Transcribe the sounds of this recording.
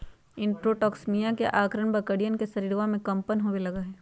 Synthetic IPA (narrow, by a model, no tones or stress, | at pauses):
ɪ̃ɳʈɾoʈɔːksmijãkeʔaːkɾəɳ̃bɐkəɽijənkesɐɾiːɾʋãmẽkɐ̃mpənɦoːʋelɐɡaɦɛː